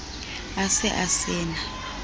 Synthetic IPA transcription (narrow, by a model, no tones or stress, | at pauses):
asɛʔasɛːna